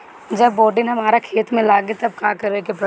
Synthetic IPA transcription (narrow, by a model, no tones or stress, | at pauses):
d͡ʒɐbːɔːɾɖɪnɦɐmaːɾakʰeːt̪mẽlaːɡet̪ɐbkãːkɐɾekep